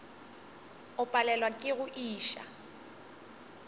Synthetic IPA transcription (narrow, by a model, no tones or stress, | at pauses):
ʊpʼalɛlwakʼɪɣʊʔiːʃa̰